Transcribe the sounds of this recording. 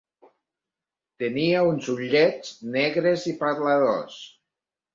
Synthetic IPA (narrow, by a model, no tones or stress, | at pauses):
t̪eniaunzuʎɛt͡snɛɣɾezipaðlaðo̰s